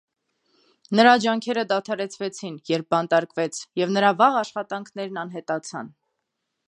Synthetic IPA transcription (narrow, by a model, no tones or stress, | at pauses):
nəɾɑd͡ʒɑŋkʰɛɾəd̪ɑt̪ʰɑɾɛt͡sʰvɛt͡sʰinjɛɾp̚bɑnt̪ɑɾkvɛt͡sʰjɛvnəɾɑvɑʁɑʃχɑt̪ɑŋkʰnɛɾnɑnɦɛt̪ɑt͡sʰɑ̰n